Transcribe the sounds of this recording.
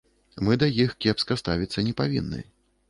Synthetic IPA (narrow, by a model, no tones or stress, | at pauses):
mɨd̪ɐjixkʲɛpskɐst̪avʲit̪sːɐnʲɛpavʲinːɨ̰